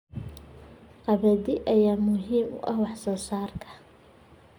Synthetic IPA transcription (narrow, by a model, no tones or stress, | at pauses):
qɑβɐðɪʔɐjaːmʊɦiːmʊ̰ʔɐhwɑħsɔːsaːrkʰɐ̥